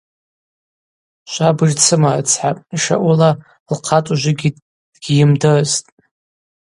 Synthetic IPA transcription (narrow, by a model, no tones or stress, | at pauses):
ʃʷabɨʒt͡sʰɨmat͡sʰħapʼiʃa̰ʔʷula | lqʰatʼuʒʷɪɡʲi | d̥ɡʲijɪmdɨztʼ